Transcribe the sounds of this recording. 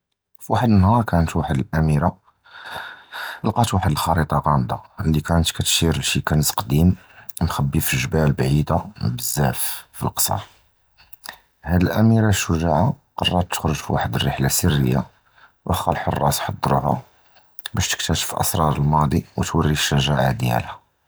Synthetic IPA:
fiwaħəd̪ənhɑɾˤkænət̪waħəd̪əlʔæmiɾa | lqɑt̪waħəd̪əlxɑɾit̪ˤɑɣɑmd̪alːikænət̪kæt̪ʃiɾəʃikænət̪qd̪im | mxæbːifəʒəbælbʕid̪abəzːæffḭlqsˤɑ̰ɾˤ | hæd̪əlʔæmiɾaʃəʒaʕa | qɑrˤːɑt̪ːə̥xɾʊʒfiwaħəd̪ərːəħlasərːəjːa̰ | wʔəxɑlħə̰rˤːɑsħɑd̪ˤːɾuɦa̰ | bæʃt̪ə̥k̚t̪æʃə̥fʔɑ̰sɾˤɑɾˤəlmɑd̪ˤiwət̪wərːiʃːæʒaʕad̪jæ̰lhæ

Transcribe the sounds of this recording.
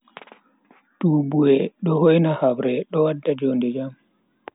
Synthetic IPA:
tuːbuwɛɗɔhɔjnahabɾɛɗɔwadːad͡ʒondɛd͡ʒam

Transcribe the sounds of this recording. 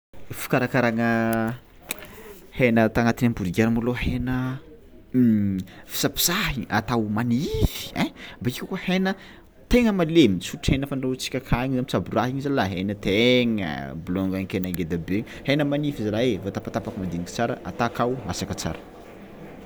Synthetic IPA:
fi̥kaɾakaɾaŋə | henət̪aŋat̪inampuɾiɡaɾamolohenə | fi̥sapi̥saɦiʔa̰t̪awmanifi̥ebaikʲakohenə | t̪eŋəmalemit͡suʈ͡ʂhenəfanot͡si̥kʲəkʰaɲizamit͡saburaɦiɲizalaɦenət̪eŋə̰blɔŋɡaɲkenaɡed̪abehenəmanifizalaevat̪apat̪apakimand̪iniki̥t͡saɾə̰ʔa̰t̪akawmasakət͡sa̰ɾə̥

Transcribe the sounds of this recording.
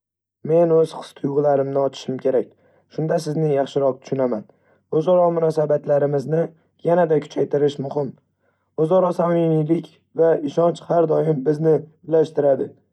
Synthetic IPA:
me̞nɵz̥χɨ̥st̪ʰʊjʁɨlaɾɪmnɪɒt͡ʃʰɪ̥ʃɪmkʲe̞ɾak̚ʲ | ʃʊnd̪asɪznɪjɑχʃɪɾɒq̚t̪ʰʊ̥ʃʊnaman | ozɒɾɒmʊnɒsabat̪laɾɪmɪznɪ | janad̪akʰʊ̥t͡ʃʰajt̪ʰɪɾɪʃmʊhɪm | ozɒɾɒsamimilɪkʲ | vaɪʃɒnt͡ʃhaɾd̪ɒjɪmbɪznɪ | ɪlaʃt̪ɪɾad̪ɪ

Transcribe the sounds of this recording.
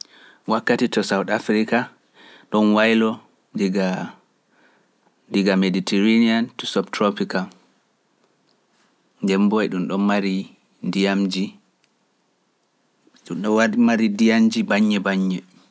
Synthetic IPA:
wakːatitɔsawtafɾika | ɗɔnwajlɔ | diɡa | diɡameditʰɛɾeniantusɔbtɾopikal | ndɛmbɔjɗumɗɔnmaɾi | dijamd͡ʒi | ɗuɗɔmaɾidijamd͡ʒibaɲːɛbaɲːɛ

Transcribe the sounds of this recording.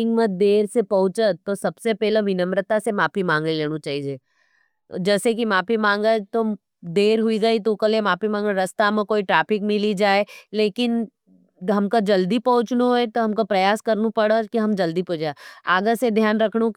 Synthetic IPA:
ɪ̃ŋɡmə̃d̪eːɾsepɐɦʊ̃t͡ʃəosɐbsepɛːɦlemɪnəmɾət̪asemaːpʰimãːŋɡəleːñũt͡ʃaːɦid͡ʒeː | d͡ʒɛːsekimaːpimãːŋɡət̪o | d̪eːɾɦuiɡɐit̪okɐlemaːpimãːŋɡəɾɐst̪amẽkoːiʈɾaːpɪkmɪlid͡ʒaːeleːkɪn | ɦɐmkad͡ʒɐld̪ipɐɦʊ̃t͡ʃnoɛt̪oɦɐmkapɾɐjaːskɐɾnũpɐɽakiɦɐmd͡ʒɐld̪ipɐd͡ʒaaːɡəsed̪ʱjaːnɾɐkʰɽõ

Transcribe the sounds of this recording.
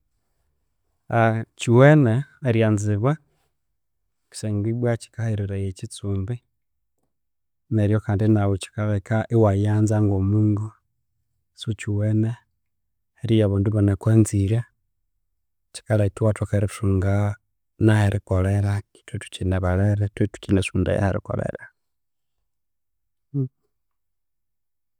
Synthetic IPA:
at͡ʃiweneːɾjaːnziβwa | ki̥seŋɡiβwat͡ʃi̥kahiɾiɾajecit͡suːmbi | neɾijokaːndinawot͡ʃi̥kaβekaʔiwajaːnzaŋɡoːmuːŋɡu | sut͡ʃiwene | eɾijaβaːnduβonekweːnziɾa | ci̥kalaitiwatokeɾisuːŋɡa | naheɾikoleɾaki̥twetu̥cineβaleɾetwetu̥cinesuːnda̰ja̰hḛɾḭko̰lḛɾa

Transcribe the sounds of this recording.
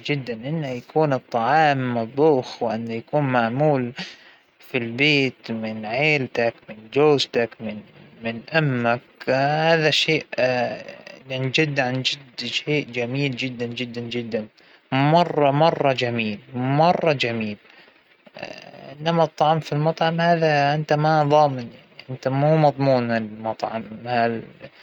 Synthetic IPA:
d͡ʒɪd̪ːanʔɪnːajakuːnɨt̪ˤːɑʕɑːmːɑd̪ˤuːxwɪʔɪnːajakuːnmaʕmuːl | filbeːt̪mɪnʕeːlt̪akmɪnd͡ʒoːzt̪akmɪnmɪnʔamːakhaːðaʃeːʔ | ɪnd͡ʒɪd̪ːʕand͡ʒɪd̪ʃeːʔd͡ʒamiːld͡ʒɪd̪ːand͡ʒɪd̪ːand͡ʒɪd̪ːan | mɑrˤːɑmɑrˤːɑd͡ʒamiːlmɑrˤːɑd͡ʒamiːl | ʔɪnːamat̪ˤːɑʕɑmfilmɑt̪ˤʕɑmhaːðaʔɪnt̪amaðˤɑːmɪnjaʕʕniʔɪnt̪amuːmɑðˤmuːnaɪlmɑt̪ˤʕɑ̰mhal

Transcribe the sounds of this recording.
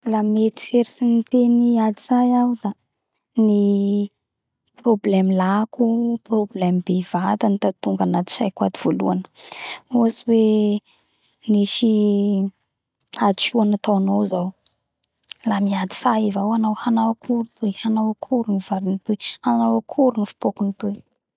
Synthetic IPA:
lamet̪i̥eɾisinit̪eniad̪iz̥ajawd̪a | ni | problɛmlakuproblɛmibevat̪anit̪at̪uŋɡanat̪i̥ʃajkwad̪iv̥olṵanə̥uasiwe | niʃi | ad̪iʃuanat̪awnozaw | lamiad̪i̥saivawanawhanawakʰuɾut̪wejhanawakʰuɾunivaɾinit̪ut͡ʃi̥hanawakʰuɾunifi̥pokunit̪uj

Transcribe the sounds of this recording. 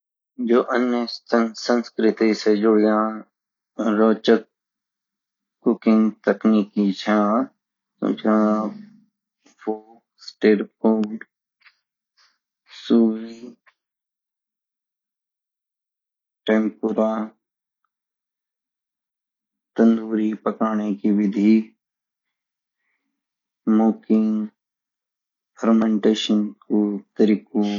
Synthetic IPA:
d͡ʒoːʔənjəsə̃nskɾɪt̪ised͡ʒʊɽɪjãː | ɾoːt͡ʃət̪̚ | kʊkɪ̃ŋɡt̪əkniːkit͡ʃʰãː | t̪o̰d͡ʒã | pʰoːksʈeːʈpo | suːwi | ʈẽːmpuɾaː | t̪ənd̪uːɾipəkaːɳ̃ekiʋɪd̪ʱi | moːkɪ̃ŋ | həɾmẽɳʈeːʃənkot̪əɾiːko

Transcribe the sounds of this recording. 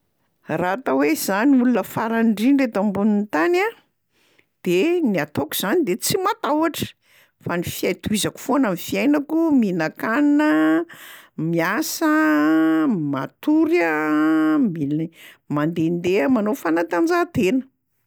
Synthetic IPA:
rat̪awez̥aniulunəfaɾaɳɖ͡ʐiɳɖ͡ʐet̪ambunint̪ana | d̪̥eniat̪oku̥z̥anid̪et͡simat̪awaʈ͡ʂə̥ | fanifiajt̪uizaku̥fonamifiajnakuminakaninə | miasə | ma̰t̪uɾə | mimand̪end̪eəmanofanat̪and͡zat̪enə̥

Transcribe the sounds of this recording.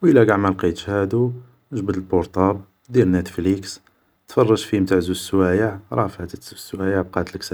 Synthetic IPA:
wʔəlæɡaʕmælqit̪ʃhæd̪u | ʒbəd̪əlboɾt̪ˤɑb | d̪iɾnæt̪fliks | t̪fɑrˤːɑʒfimt̪aʕzuswæjəʕɾˤɑfæt̪ət̪zsːwæjəʕb̚qɑt̪ləksæ

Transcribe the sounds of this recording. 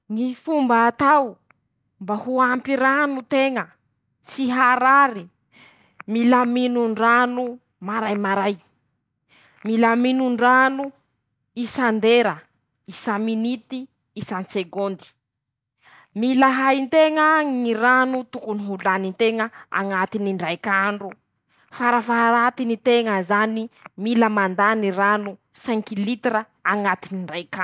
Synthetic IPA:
ŋifumbaːt̪aw | mbahuampiɾanut̪eŋə | t͡siɦaɾaɾi | milaminuɳɖ͡ʐanu | maɾajmaɾaj | milaminuɳɖ͡ʐanu | isand̪eɾa | isaminit̪iː | sant͡seɡond̪i̥ | milaɦajint̪eŋəŋiɾanut̪ukuniɦuluanint̪eŋəa̰ŋat̪iniɳɖ͡ʐajkaɳɖ͡ʐu | faɾafaɾat̪init̪eŋəzanimiləmand̪aniɾanu | saŋkilit̪ɾə | aŋat̪iniɳɖ͡ʐajka

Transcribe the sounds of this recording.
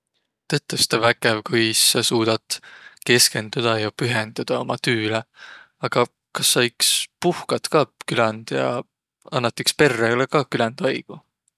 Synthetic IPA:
t̪ɤt̪ˑːust̪ɑvæɡevkujsːɑsuːd̪̥ɑt̪ke̞ske̞nd̪̥ud̪̥ɑjɑpyɦend̪̥ud̪̥ɑo̞mɑt̪yːle | ɑɡ̥ɑ | kɑsːɑikspuhkɑt̪kɑkylɛnd̪̥jɑ̰ | ɑnːɑt̪ːˑikspe̞rːeolekɑːkylænd̪̥ɑjɡ̥u

